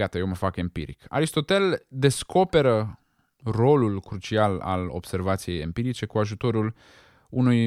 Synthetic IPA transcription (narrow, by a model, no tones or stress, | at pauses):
at̪əje̞wməfakempḭɾḭka̰ɾist̪o̞t̪eld̪e̞sko̞pe̞ɾə | ro̞lulkɾut͡ʃiala̰lo̞̰b̥se̞rvat̪sije̞jempiɾit͡ʃe̞kuaʒut̪o̞ɾul | unuj